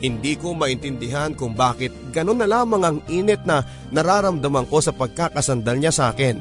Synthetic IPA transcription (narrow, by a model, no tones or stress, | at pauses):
hɪnd̪iːko̞mɐʔɪnt̪ɪnd̪ɪɦankʊŋbaːkɪt̪̚ɡɐno̞nːɐlaːmɐŋɐŋʔiːnɪt̪̚nɐ | nɐɾaːɾɐmd̪ɐmɐŋko̞sɐpɐɡ̚kakɐsɐnd̪ɐlɲasɐʔa̰ːkɪn